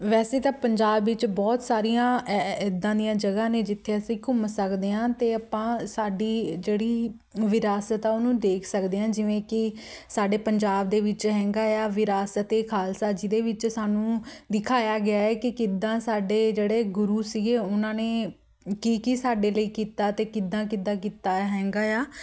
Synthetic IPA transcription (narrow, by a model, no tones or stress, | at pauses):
ʋɛːseːt̪ãːpəɲd͡ʒaːbʋɪt͡ʃbɔːt̪saːɾijãːɪd̪ãːd̪ijãːd͡ʒəɡãːneːd͡ʒɪt̪ʰːeːəsĩːkʊmsəkd̪eːãːt̪eːəpãːsaːɖiːd͡ʒeːɽiː | ʋɪɾaːsət̪aːʊnũːd̪eːkʰsəkd̪eːãːd͡ʒɪʋẽːkɪsaːɖeːpəɲd͡ʒaːb̚d̪eːʋɪt͡ʃɦɛ̃ːŋɡaːjaːʋɪɾaːsət̪eːkʰaːlsaːd͡ʒiːd̪eːʋɪt͡ʃsaːnũːd̪ɪkʰaːjaːɡɪaːɛːkɪkɪd̪ãːsaːɖeːd͡ʒeːɽeːɡʊɾuːsiːɡeːʊnãːneː | kiːkisaːɖeːləiːkiːt̪aːt̪eːkɪd̪ːãːkɪd̪ãːk̬iːt̪aːɦɛ̃ːŋɡaːjaː